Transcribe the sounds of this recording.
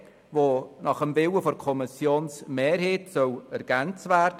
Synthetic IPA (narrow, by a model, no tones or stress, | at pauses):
voːnɑχəmvɪwəfɔɾkʰɔmɪsjoːnsmeːɾɦeːtsœwɛɾɡ̥ɛnt͡stvɛːrd